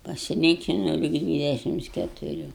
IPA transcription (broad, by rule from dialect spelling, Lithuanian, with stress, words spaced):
pɐsʲɪˈlʲiːkʲɪnɐʊ lʲɪk ˈdʲʋʲiːdʲɛʃʲɪms kʲɛtʊˈrʲuː